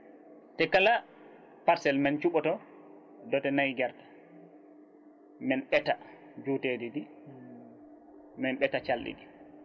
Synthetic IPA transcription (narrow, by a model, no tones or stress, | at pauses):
tɛkala | paɾsɛlmant͡ʃuɓɔtɔ | dɔtɛnajɡɛɾdḁ | mɛnɓɛta | d͡ʒutedidi | mɛnɓɛtat͡ʃalːḭdi